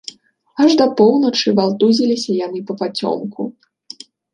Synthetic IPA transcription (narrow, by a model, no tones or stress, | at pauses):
ɐʐd̪ɐpɔwnɐt͡ʂɨvalˠt̪uzʲilʲisʲɐjanɨpɐpat͡sʲɔ̰mku